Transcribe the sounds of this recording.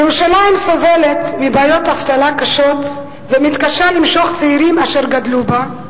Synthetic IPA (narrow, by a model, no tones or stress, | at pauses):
jeʁuʃalaimso̞ve̞le̞t̪mibaːjo̞t̪aft̪alakaʃo̞t̪ | vemit̪kaʃalimʃo̞χt͡seiɾimaʃeʁɡad̪luba